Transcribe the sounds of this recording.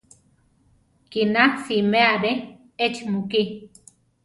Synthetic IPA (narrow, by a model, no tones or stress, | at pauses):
kinasimeaɾe | et͡ʃmuki